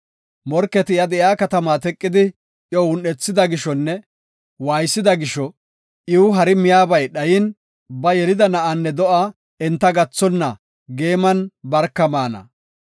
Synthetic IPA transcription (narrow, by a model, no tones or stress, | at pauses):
mɔɾkːɛt̪ɪjɐd̪ɛʔjaːkɐt̪ɐmat̪ɛkʼːɪd̪ɪ | jɔwʊnːɛt͡sːɪd̪ɐɡɪʃɔnːɛ | waːjsːɪd̪ɐɡɪʃɔ | ʔɪwʊɦɐɾɪmɪjaːbɐjɗɐjɪn | bɐjɛlɪd̪ɐnɐʔanːɛd̪ɔʔa | ɛnt̪ːɐɡɐt͡sːɔnːɐ | ɡe̞ːmɐnbɐɾkːɐmaːnɐ̰